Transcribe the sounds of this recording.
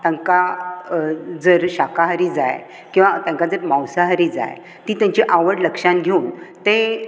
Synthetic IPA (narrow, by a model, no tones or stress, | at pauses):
t̪ãŋka | d͡zəɾɕakaɦəɾiːd͡za̰j | kĩw̃ʋat̪ãŋkad͡zəɾmawsaɦəɾid͡za̰j | t̪iːt̪jãɲt͡ɕeʔaʋəɽləkʂanɡʱeunt̪e